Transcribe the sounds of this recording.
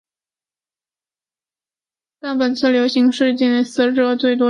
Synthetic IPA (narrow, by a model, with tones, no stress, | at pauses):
t̪a˥˩npə˨˩nt͡sʰɹ̩˥˩ljo˧˥ʊɕi˧˥ŋʂɻ̩˥˧t͡ɕjɛ˥˩n˧sɹ̩˥˧ʈ͡ʂɤ˥˧t͡swe˥˩ɪt̪wɔ˥